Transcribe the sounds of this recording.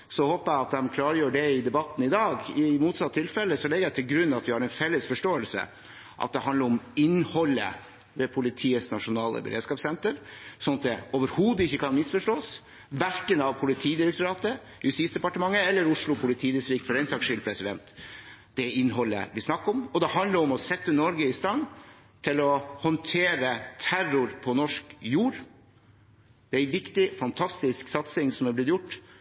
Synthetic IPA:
sɔhoːpəæɑt̪̚d̪ɛmkʰlɑːɾəjøːɖɛɪd̪ɛbɑt̪ːn̩ɪd̪ɑːɡɪmuːt̪sɑt̪ʰːɪlfɛlːəsɔlɛɡəjæɪt̪ʰɪlɡɾʉnːɑt̪ʋɪhɑɾɛnfɛlːəsfɔʂʈoːəlsə̰ | ʔɑ̰t̪̚d̪ɛhɑnd̪əɾʊmɪnhɔlːə̰ | ʋɛpʰʊlɪt̪ʰiːəsnɑʂʊnɑːlə̰bə̰ɾḛːd̪skɑːpsɛnt̪əɾsɔnɑt̪̚d̪ɛoːʋəɾhuːd̪ɪçːəkʰɑnmɪsfɔʂʈoːs | ʋæɾkənɑʋpʰʊlɪt̪ʰiːd̪ɪɾɛk̚t̪ʊɾɑːt̪ə | hʉsiːsd̪ɛpɑʈəmɑŋːəɛlːəɾʊʂɭʊpʰʊlɪt̪ʰiːd̪ɪsɾiːɡfɔɾɛɪnsɑkʂʏlpʰɾɛsɪd̪ɛ̰nt̪ | d̪̥ɛɪnːɦɔlːə̰ʋɪsnɑkːɔmɔd̪ɛhɑnd̪ləɾɔmɔsɛt̪ːənɔɾɡəɪst̪ɑn | t̪ʰɪlɔhɔnt̪ʰeːɾət̪ʰæɾʊɾpʰɔnɔʂkjuːɾ | d̪̥ɛæɪʋɪkt̪ɪfɑnt̪ʰɑst̪ɪsksɑt̪sɪŋsɔmæblɪt̪jʊʈː

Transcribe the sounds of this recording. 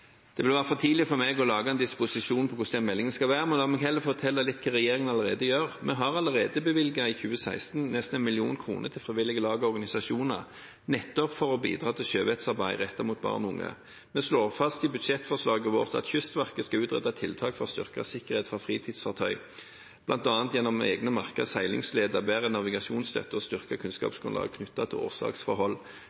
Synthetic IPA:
d̪̥ɛʋɪlʋæːʁəfɔt̪ʰiːlɪfɔʁmɛɡɔlɑːɡɑɛnd̪ɪspʊsɪʃuːnpʰɔkʰʊsd̪ɛnmɛlːɪŋənskɑlʋæːɾəmɛnd̪ɑmɛːɡhɛlːəɾfɔt̪ʰɛlːəlɪt̪ːkʰɑːʁɛjeːɾɪŋənɑləʁeːd̪əjøːʁmɛɦɑʁɑləʁeːd̪əbəʋɪlɡɑɪçʉːəsæɪst̪n̩nɛst̪n̩ɛnmɪlɪṵːnkʰɾṵːnʔət̪ʰɪlfʁɪːʋɪlɪɡəlɑːɡəɔʁɡɑnɪsɑʂuːnə̰ʁ | nɛt̪ːɔpfɔʁɔbḭːd̪ʁɑːt̪ʰɪlʃøːʋɛt̪sɑʁbæɪʁɛt̪ːəʁmuːt̪̚bɑ̰ːʁnʊ̰ŋːə̰ | mɛsloːʁfɑst̪ɪbʉd̪ʂɛt̪fɔʁslɑːɡəʋoːʁt̪ɑ̰t̪çʏst̪ʋæʁkəskɑʉːt̪ʁɛ̰t̪ːɑt̪ʰɪlt̪ʰɑːkfɔʁst̪ʏʁkəsɪkːəʁeːt̪fɔfʁiːt̪ʰiːd̪sfɑʁt̪ʰœʏ | b̥lʔɑnt̪ɑːnt̪jɛnːɔmḛːɡnəmɑʁkəshæɪlɪ̰ŋsleːd̪əʁbæːʁənɑʋɪɡɑʃuːnslœ̰t̪ːəst̪ʏʁkəkʰʉnskɑ̰ːpsɡʊnlɑ̰ːɡkʰnʏt̪ːɑt̪ʰɪlo̰ːʁsɑ̰ːksfɔɾhɔlː

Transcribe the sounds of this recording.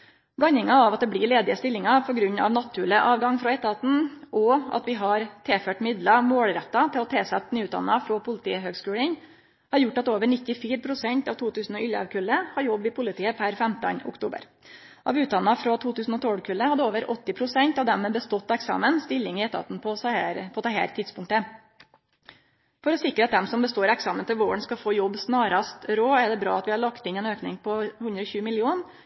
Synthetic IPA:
bɽɑnɪŋɑɑʋɑt̪̚d̪ɛbɽɪɭeːd̪ɪəst̪ɪlːɪŋɑpʰɔɡɾʉɲːɑ̰ʋnɑt̪ʰːʉːləʔɑːʋɡɑŋfɾɔɛt̪ːəɑt̪n̩ʔɔɑ̰t̪ʋɪɦɑɾt̪ʰeːføːʈmɪd̪lɑmoːɽlɾɛt̪ːɑt̪ʰɪlɔt̪ʰeːsɛt̪ːnyːʉt̪d̪ɑ̰nːɑfɾɔpʰʊlɪt̪ʰḭːəɦøːɡskʉːɽəŋ | hɑɾjʊʈːɑt̪oːʋəɳɪt̪ːɪfiːɾpʰɾʊsɛɲt̪ɑʋt̪ʰuːt̪ʰʉːsn̩ɔʏljɑ̰ʋkʰʉlːəhɑɾjɔbːɪpʰʊlɪt̪ʰiːəpʰæɾfɛmt̪ə̰nʊ̰kt̪ʰṵːbə̰ɾ | ʔɑʋʉːt̪̚d̪ɑnːəfɾɑt̪ʰuːt̪ʰʉːsn̩ɔt̪ʰoːɽkʰʉlːəhɑd̪əoːʋəɾʔɔt̪ːɪpʰɾʊsɛnt̪ɑʋd̪ɛmmeːbəst̪ɔt̪ːɑɛksɑ̰ːmənst̪ɪlːɪŋɪɛːt̪ʰɑ̰t̪n̩pʰɔsæɾpʰɔd̪ɛhæ̰ːɾt̪ʰɪd̪spʊŋkt̪ə | fɔɾɔsɪkɾəɑt̪̚d̪ɛmsɔmbəst̪oːɾɛksɑːmənt̪ʰɪlʋoːəɳskɑfoːjɔbːsnɑːɾɑst̪ɾoːɛɖɛbɾɑ̰ːɑt̪ʋɪhɑɭɑkt̪ɪnɛːnøːknɪŋpʰɔhʉnd̪ɾəɔçʉːmɪlɪuːn

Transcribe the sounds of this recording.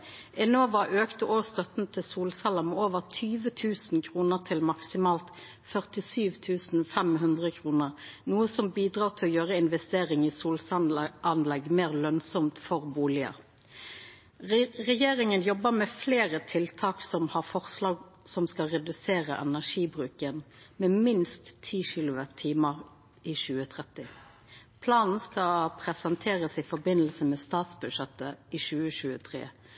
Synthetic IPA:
ʔɛnoːʋɑʔøːkt̪əʔoːst̪œt̪nt̪ʰɪsuːlsɑləmɛoːʋəʁt̪ʰyːʋət̪ʰʉːsn̩kʰʁuːnəʁt̪ʰɪlmɑksɪmɑːlt̪ | fœʁt̪ɪsyːʋt̪ʰʉːsn̩fɛmɦʉnd̪ʁəkʰʁuːnəʁnuːəsɔmbiːd̪ʁɑːʁt̪ʰɪlɔjøːʁəɪnʋɛst̪eːʁɪŋiːsuːlsʔɑnlɛɡmeːʁlœnsɔmt̪fɔʁbuːlɪə̰ | ʁɛjeːɾɪŋənjɔbːəmɛfleːʁət̪ʰɪlt̪ʰɑːksɔmhɑʁfɔʁslɑːɡ | sɔmskɑʁɛd̪ʉseːʁəʔɛnæʂiːbʁʉːkən | mɛːmɪnst̪ʰːiːʃɪlʊʋət̪ʰːiːməʁ | iːʃʉːət̪ʰʁɛt̪ɪ | pʰlɑːnn̩skɑpʰɾɛsɛnt̪ʰeːʁəsɪfɔbɪnəlsəmɛst̪ɑːt̪sbʉʃɛt̪əiːʃʉːəʃʉːət̪ʰʁḛː

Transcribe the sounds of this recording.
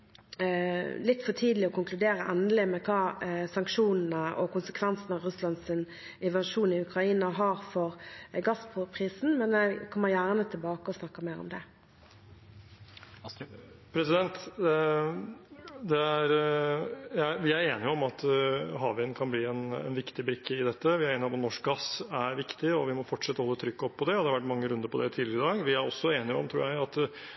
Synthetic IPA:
lɪt̪ːfɔʈʰiːd̪əlɪɔkʊŋklʉd̪eːɾəʔɛnəlɪmɛkʰɑːsɑŋkʂuːnn̩əʔɔ̰kʊnsəkʰʋɛnsənəʁʉslɑnd̪sɪn | ɪʋɑʂuːnɪʉkɾɑiːnɑɦɑʁfɔʁɡɑspʰʊpʰʁiːsn̩mɛnɛkʰɔmːəʁjæːʁnət̪ʰɪlbɑːkəɔsnɑkːəmeːɾɔ̰md̪ɛ | pʰɾɛsɪd̪ɛnt̪ | d̪ɛæɾ | jæɪʋɪæɾeːnɪɔmɑt̪ɦɑːʋɪnkʰɑnbliːɛnɛ̰nʋɪkt̪ɪbɾɪkʰːəɪd̪ɛt̪ːəʋɪæɾeːnɪɔmɑt̪nɔʂk̚ɡɑsæɾʋɪkt̪ɪɔʋɪmɔfɔʈʂɛt̪ːəhɔlːət̪ʰɾʏkːɔpʰːɔd̪ɛɔd̪ɛhɑɾʋæʈːmɑŋːəɾʉnd̪əɾpʰɔd̪ɛt̪ʰiːd̪lɪɾɪd̪ɑːɡʋɪæɾɔsːɔeːnɪʊɔmt̪ʰɾuːɾjæɪɑt̪

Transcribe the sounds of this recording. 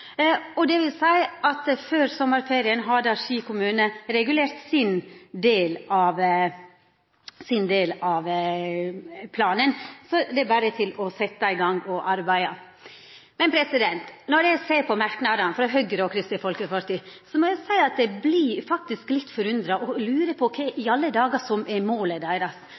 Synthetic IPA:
ɔd̪ɛʋɪlsæɪɑt̪føːɾsɔmːəɾfeːɾɪənɦɑd̪əɑɾʂiːkʊmʉːnəɾɛɡʉleːɾt̪sɪnd̪eːlɑʋ | sɪnd̪eːlɑʋ | pʰlɑːnənsɔd̪ɛbæːɾət̪ʰɪlɔsɛt̪ːɑɪɡɑŋːɔʔɑɾbæɪɑ | mɛnpʰɾɛsɪd̪ɛnt̪nɔɾjæɪseːpʰɔmæɾknɑd̪ɑnfɾɑɦœɡɾəɔkʰɾɪst̪əfɔlkəpɑɾt̪iːsɔmɔjæɪsæɪɑt̪̚d̪ɛblifɑk̚t̪ɪsklɪt̪ːfɔɾʉnd̪ɾɑʔɔlʉːɾəpʰɔkʰɛʔɪɑlːəd̪ɑːɡɑsɔmɛmoːləd̪æɪɾɑs

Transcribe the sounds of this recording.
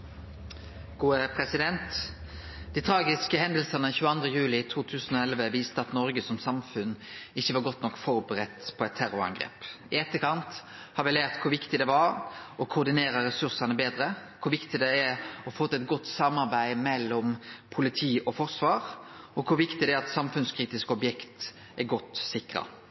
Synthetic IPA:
ɡ̥uːəpʰɾɛsɪd̪ɛnt̪ | d̪̥ɪːt̪ʰɾɑːɡɪskəhɛnd̪əlsɑnəçʉːəɑnd̪ʁəjʉːlɪt̪ʰuːt̪ʰʉːsənɔɛlʋəʋiːst̪əɑt̪nɔɾɡəsɔmsɑmfʉnɪçːəʋɑɾɡɔt̪ːnɔkːfɔɾbəɾɛt̪pʰɔɛt̪ʰːæɾʊɾɑ̰ŋɡɾḛːp | ɪɛt̪ːəkʰɑnt̪ | hɑɾʋɪlæːɾt̪kʰʊɾʋɪkt̪ɪd̪ɛʋɑɾɔkʰʊɾd̪ɪneːɾəɾɛsʉɾsɑnəbeːd̪ɾəkʰʊʋɪkt̪ɪd̪ɛæɔfoːt̪ːɛt̪̚ɡɔt̪ːsɑmːɑɾbæɪmɛlːɔmpʰʊlɪt̪ʰiːʔɔfɔɾsʋɑːʁɔkʰʊʋɪkt̪ɪd̪ɛæɾɑt̪sɑmfʉnskʰɾiːt̪ɪskɔbjɛkt̪ | ʔæɾɡɔt̪sɪkɾɑ̰

